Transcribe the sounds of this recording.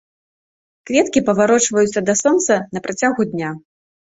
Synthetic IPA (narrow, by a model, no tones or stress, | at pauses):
kvʲɛt̪kʲipɐvaɾɔt͡ʂvɐjut̪sːɐd̪ɐsɔnt̪sɐnɐpɾat͡sʲaɣud̪ʲnʲa